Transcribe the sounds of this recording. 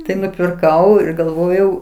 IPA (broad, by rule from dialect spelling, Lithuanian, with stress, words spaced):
tɐɪ nʊpʲɪrˈkɐʊ ɪr ɡɐlˠˈʋoːjɛʊ